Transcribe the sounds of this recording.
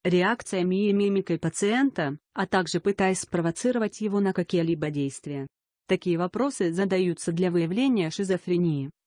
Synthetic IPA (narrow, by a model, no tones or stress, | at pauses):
ɾʲɪakt̪sɨjəmʲɪjɪmʲimʲɪkəjpət̪sɨɛnt̪əɐt̪aɡʐɨpɨt̪ajɪsʲspɾəvɐt̪sɨɾəvətʲjɪvo̞nəkɐkʲijəlʲibədʲejst̪vʲɪjə | t̪ɐkʲijəvɐpɾo̞sɨzəd̪ɐjut̪səd̪lʲɐvɨjɪvlʲenʲɪjəʂɨzəfɾʲɪnʲijɪ